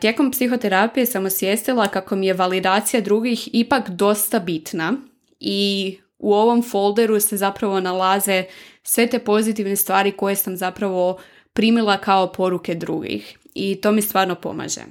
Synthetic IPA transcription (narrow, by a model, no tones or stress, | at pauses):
t̪je̞ko̞mpsixo̞t̪e̞ɾapije̞samusjest̪ilˠakako̞mije̞ʋalid̪aːt̪sijad̪ɾuɡixipakd̪o̞st̪abit̪na | i | uo̞ʋo̞mfolˠd̪e̞ɾuse̞zapɾaʋo̞nalˠaze̞sʋe̞t̪e̞po̞zit̪iʋne̞st̪ʋaːɾiko̞je̞samzapɾaʋo̞ | pɾiːmilˠakao̞po̞ɾuke̞d̪ɾṵɡḭx | it̪o̞ːmist̪ʋaːɾno̞po̰ma̰ʒḛ